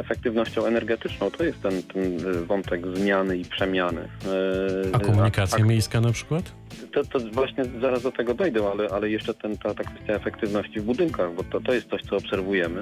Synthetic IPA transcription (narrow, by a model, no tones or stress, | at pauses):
ɛfɛk̚t̪ɘvnɔɕt͡ɕɔ̃w̃ɛnɛɾɡɛt̪ɘt͡ʂnɔ̃w̃t̪ʰɔjɛst̪ːɛnt̪ɛnvɔnt̪ɛɡzmʲjanɘipʂɛmʲjanɘ̰ | akɔmuɲikat̪sjamʲjejskanapʂɘ̥kwat̪ | t̪ɔt̪ɔvwaɕɲɛzaɾazd̪ɔt̪ɛɡɔd̪ajd̪ɛ̃alɛʔalɛjɛʂt͡ʂɛt̪ɛnt̪at̪akfɛst̪jaɛfɛkt̪ɘvnɔɕt͡ɕivbud̪ɘŋkaɣbɔt̪ɔt̪ɔjɛst̪sɔɕt̪sɔːpsɛɾvujɛmɘ